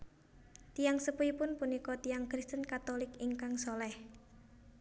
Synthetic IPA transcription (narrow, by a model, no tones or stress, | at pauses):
t̪ijaŋsəpuipʊnpunikɔt̪ijaŋkɾist̪ənkat̪olɪkiŋkaŋsɔlɛh